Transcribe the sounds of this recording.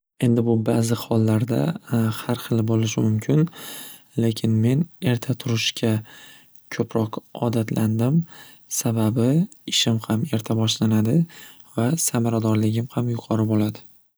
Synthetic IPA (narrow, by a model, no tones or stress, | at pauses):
e̞nd̪ɪbʊbaːzɪχɒlˠːaɾd̪a̰haɾχɨlˠɪbolɪʃɪmʊmkʲʰɪn | le̞kʲʰɪnme̞ne̞ɾt̪ʰat̪ʰʊɾɪʃkʲʰa | kʰɵpʰɾɒqɒ̰d̪at̪ʰlʔand̪ɪm | sababɪɪʃɪmhame̞ɾt̪ʰabɒʃlanad̪ɪ | vasamaɾad̪ɒɾlɪɡʲɪmhamjʊqʰɒɾɪbolad̪ɪ